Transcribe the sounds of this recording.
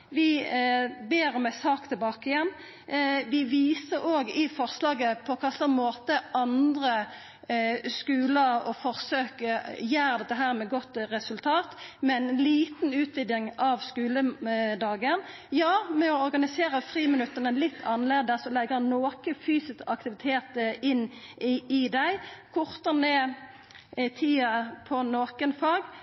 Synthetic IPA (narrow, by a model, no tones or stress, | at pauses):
ʋɪ | beːɾɔmæɪsɑːkt̪ʰɪlbɑːkəɪjɛnː | ʋɪʋiːsəɾoːɡɪfɔʁslɑːɡəpʰɔkʰɑslɔmmoːt̪əʔɑnd̪ɾə | skʉːləɾɔfɔʁsøːkəjæːɾd̪ɛt̪ːəɦæːɾmɛɡɔt̪ːɾɛsʉlt̪ʰɑːt̪mɛɛnliːt̪nʉːt̪ʋɪd̪jɪŋɑʋskʉːləd̪ɑːɡən | jɑːmɛɔɔɾɡɑnɪseːɾəfʁiːmənʉt̪ːəʁnəlɪt̪ːʰɑnleːd̪əsɔlɛɡːənoːkəfyːsɪskɑkt̪ɪʋɪt̪ʰeːt̪ɪnː | ɪd̪æɪkʰɔʁt̪əneː | ɪt̪ʰiːɑpʰɔnoːkənfɑːɡ